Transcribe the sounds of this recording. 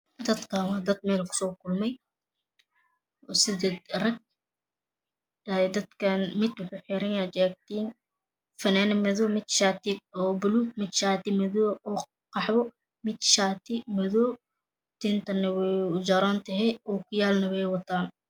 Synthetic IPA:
d̪ɐd̪kʰɐwd̪ɐd̪̚mɛːlkʰʊ̥sɔːkʰʊlmɛj | ɔsɪdɛd̪rɐɡ̚ | ɛd̪ɐd̪kʰɐnmɪd̪wʊħʊːħɪɾɛnjaːt͡ʃɛːɡ̚t̪iːn | fɐnaːnɐmɛðɔmɪd̪ʃaːt̪ɪɔːbʊluːt̪̚mɪd̪ʃaːt̪ɪmɛðɔːʔɔː | qɑħβɔ | mɪd̪ʃaːt̪ʰɪmɛðɔː | t̪ɪnt̪ʰɐnɐwɛʊd͡ʒɐɾant̪ʰɐɦɛjɔːkʰʊjaːlnɐwɛjwɐt̪ʰaːn

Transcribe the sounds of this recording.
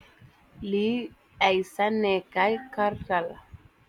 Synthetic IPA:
li | ajsanɛkajkaɾkala

